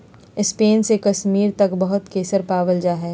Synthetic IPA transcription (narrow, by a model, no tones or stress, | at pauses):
ɪspeːnsekɐʃmiːɾt̪ɐkbɐɦʊt̪keːsəɾpaːʋəld͡ʒaːɦɛː